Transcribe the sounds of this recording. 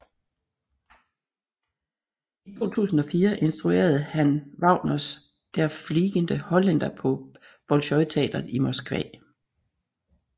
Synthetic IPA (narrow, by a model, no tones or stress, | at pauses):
it͡sʰo̝̰ːt͡sʰṵːsn̩ɒ̽fiːɐʔe̝nsd̥ʁue̝̰ːɐð̞̩ˠhænʋɑ̈ʊ̰nɒs | d̥æɐfliːɡ̥ənd̥əhɒ̽lænd̥ɐpʰɒ̽ | b̥ɒlɕɒ̽ɪt͡sʰɛ̰ːd̥ɐð̩ˠimosɡ̥ʋɛ̰ː